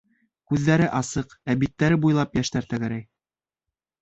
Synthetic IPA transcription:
kʉðːæɾɘʔɑsɤqæbit̪ːæɾɘbujlˠɑpjæʃt̪æɾt̪æɡæɾæj

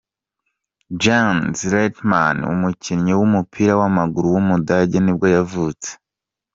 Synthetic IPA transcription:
d͡ʒanzɾetmanṵmucʰinɲewumupʰiːɾawamaɡuɾuwumudaɟenibɡojavuːt͡se̥

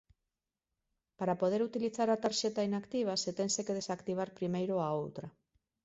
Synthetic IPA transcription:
paɾapoð̞eɾut̪iliθaɾat̪aɾʃet̪ainakt̪iβ̞aset̪ensekeð̞esakt̪iβ̞aɾpɾimejɾoaowt̪ɾa

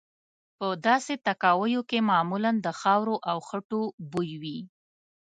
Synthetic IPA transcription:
pəd̪ɑset̪akɑwəjokemɑmuland̪əxɑwɾoʔawxəʈobujwi

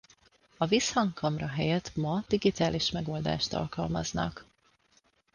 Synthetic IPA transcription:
ɒvishɒŋkkʰɒmrɒɦɛjɛt̪mɒd̪̥iɡit̪aːliʃmɛɡo̞ːld̪a̰ːʃt̪ɒ̰lkɒlmɒ̰znɒ̰k

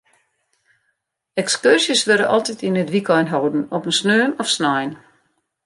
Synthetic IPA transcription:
ɛkskørsjəsʋørdəʔɔlˠtitinətʋikɔjnɦowdən̩ɔpənsnøːnɔfsnɔjn

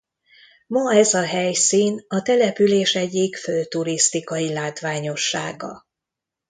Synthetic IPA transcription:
mɒɛzɒɦɛjsiːnɒt̪ɛlɛpyleːʃɛɟːikføːt̪uɾist̪ikɒjilaːt̪ʋaːɲo̞ʃːa̰ːɡɒ̰

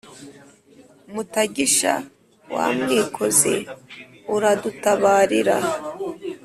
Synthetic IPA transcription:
mutaɡiʃa̰ | wa̰ːmŋiːkʰo̞ze̞̰ | uɾadutaβaːɾiɾa̰

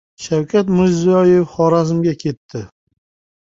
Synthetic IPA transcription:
ʃawkʲʰat̪mɪɾzɪjɒjefχɒɾazɪmɡʲakʲʰe̞t̪ʰːɪ

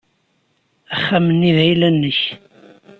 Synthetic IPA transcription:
əχːæmənːivæjlænːəç

